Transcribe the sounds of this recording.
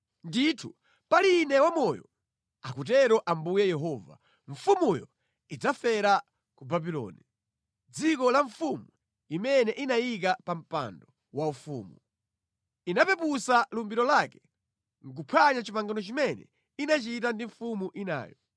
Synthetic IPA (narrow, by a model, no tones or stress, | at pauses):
nditʰu | palinɛwamɔjɔ̰ | akut̬ɛɾɔʔambujɛjɛɦɔːva̰ | ɱ̩fumujɔ | id͡zafɛɾa | kubabilɔ̰ːni | d͡zikɔlaɱfumu | imɛnɛʔinajik̬apam̩pa̰ndɔ | waufṵːmu | inapɛpusalumbiɾɔlakɛ̥ | ŋ̩k̬upʰaɲat͡ʃipaŋɡanɔt͡ʃimɛnɛ̰ | inat͡ʃit̬andiɱfumuʔina̰ːjɔ